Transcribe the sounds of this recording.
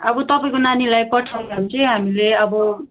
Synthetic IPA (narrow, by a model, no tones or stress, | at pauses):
ʌbʌt̪ʌpaĩkonanilajpʌʈʰaaũt͡sʰʌɦamileʌbʌ